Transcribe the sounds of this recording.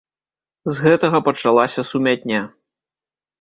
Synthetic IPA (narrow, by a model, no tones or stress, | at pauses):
zɣɛt̪ɐɣɐpɐt͡ʂalˠasʲɐsumʲat̪̚ʲnʲa